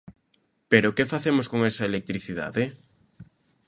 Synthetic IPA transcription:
peɾokefaθemʊskoŋesɐelek̚t̪ɾiθiða̰ðe

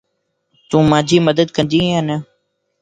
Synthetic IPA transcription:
t̪ũːmãːd͡ʒʱiːməd̪əd̪kə̃nd̪iːənə

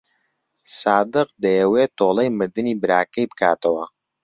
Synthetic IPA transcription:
saːd̪ɨq̚d̪ɐjəwet̪oːlˠejmɨɾd̪ɨniːbɨɾaːkɐjbɨkʰaːt̪ɐwɐ

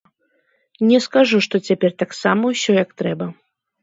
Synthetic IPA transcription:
nʲɛskaʐuʂt̪ɔt͡sʲapʲɛrt̪aksamɐwsʲɔjɐkt̪ɾɛbɐ

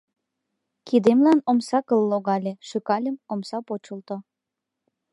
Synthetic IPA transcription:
kid̪emlɑnomsɑkəlːoɣɑlʲeʃykɑlʲəmomsɑpot͡ɕəlt̪o

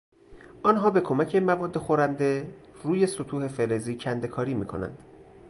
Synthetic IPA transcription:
ʔɒːnɦɒːbe̞kʰo̞mæcʰe̞mævɒːd̪ːe̞xoɾænd̪e̞ruːje̞sot̪ʰuːhe̞fe̞ɾeziːcʰænd̪ekʰɒːɾiːmiːkʰo̞̰næ̰nd̪̥

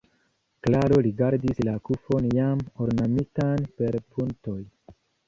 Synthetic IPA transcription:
klaɾo̞liɡaɾdislakufo̞njamoɾnamitanpe̞ɾpʰunto̞j

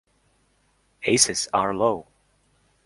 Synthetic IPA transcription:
heɪsɨzəɹloʊ

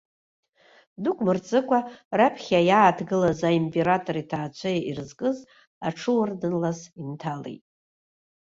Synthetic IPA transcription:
dukʷʰʼmɨrt͡sʼɨkʷʰʼarapʰχʲajaːtʰɡɨlazaimpʼe̞ɾatʼo̞ɾitʰaːt͡ɕʷʰajirɨzkʼɨz | a̰ʈ͡ʂʰɨwardɨnlazintʰalḛjtʼ

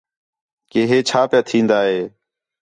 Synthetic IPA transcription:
keːɦeːt͡ʃʰaːpɪjaːt̪ʰĩːnd̪aːɦeː

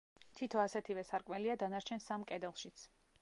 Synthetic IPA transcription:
t̪ʰit̪ʰɔasɛt̪ʰivɛsaɾkʼmɛliad̪anaɾt͡ʃʰɛnsamkʼɛd̪ɛlˠʃit̪sʰ

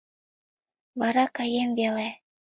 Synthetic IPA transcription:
βɑɾɑkɑjemvele

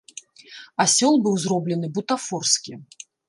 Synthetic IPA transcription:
asʲɔlˠbɨwzrɔblʲɛn̪ɨbut̪afɔrskʲi

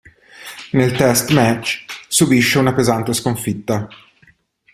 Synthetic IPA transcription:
nelt̪ɛst̪mɛt͡ʃsubiʃːeunapezant̪eskoɱfit̪ːa

